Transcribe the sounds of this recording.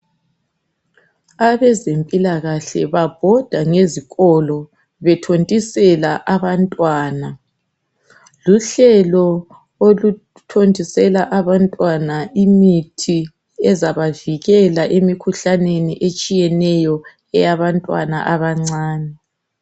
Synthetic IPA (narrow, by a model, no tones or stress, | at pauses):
aβɛzempʼilaɣaɬɛ̰βab̥ʱɔd̥ʱaŋeziɣɔlɔ | βɛtʰontʼisɛlaʔaβantʼwaːna | luɬɛlɔ | olu | tʰontʼisɛlaʔaβantʼwanaʔimitʰi | ɛzaβaviɣɛlaʔemikʰuɬaneniʔet͡ʃʼijɛnɛjɔ | ɛjaβantʼwa̰na̰ʔaβaŋ͡ǀaːnɛ